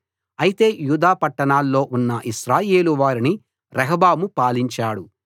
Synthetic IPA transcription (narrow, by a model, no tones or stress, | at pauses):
ɐjit̪e̞ːjuːd̪aːpɐʈːɐɳaːlːo̞ːʔunːɐʔiʃɾaːje̞ːluʋaːɾini | ɾɐɦɐbaːmupaːliɲt͡ʃaːɽu